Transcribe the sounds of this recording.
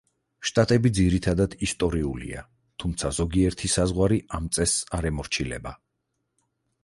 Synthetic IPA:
ʃt̪ʼat̪ʼɛbid̪ziɾit̪ʰad̪ad̪ist̪ʼɔɾiulḭa̰ | t̪ʰumt̪sʰazɔɡiɛɾt̪ʰisazʁwaɾiʔamt̪sʼɛsaɾɛmɔɾt͡ʃʰilɛ̰ba

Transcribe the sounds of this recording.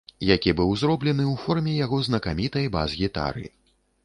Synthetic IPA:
jakʲibɨwzɾɔblʲɛnɨwfɔrmʲɛjaɣɔznɐkamʲit̪ɐjba̰zɣʲit̪a̰ɾɨ̰

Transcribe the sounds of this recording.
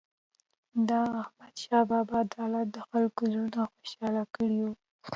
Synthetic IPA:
d̪ɑːhmad̪ʃɑbɑbɑd̪ɑlat̪̚d̪əxalkozunaxoʃɑlakəɽiwu

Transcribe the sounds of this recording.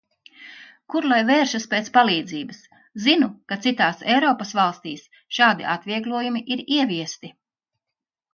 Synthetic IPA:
kuɾlˠajveːɾʃɐspeːt̪spalˠiːd̪ziːbɐs | zinukat̪sit̪aːsɛjɾɔːpɐsvalˠst̪iːs | ʃaːd̪ḭʔat̪vʲiɛɡlˠuɔjumiʔiɾiɛviɛst̪i

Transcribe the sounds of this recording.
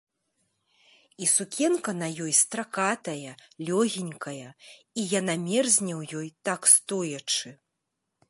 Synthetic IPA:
isukʲɛnkɐnɐjɔjst̪ɾakat̪ɐjɐlʲɔɣʲinʲkʰɐjɐ | ijanamʲɛrzʲnʲɛwjɔjt̪akst̪ɔjɐt͡ʂɨ

